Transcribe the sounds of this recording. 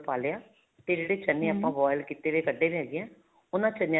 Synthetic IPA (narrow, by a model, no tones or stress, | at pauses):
paːlejaː | t̪eːd͡ʒeːɽeːt͡ʃənːẽːaːpãːʋɔːjlkiːt̪eːʋeːkəɖeːʋɛːɡeɛ̃ː | ʊnãːt͡ʃəñː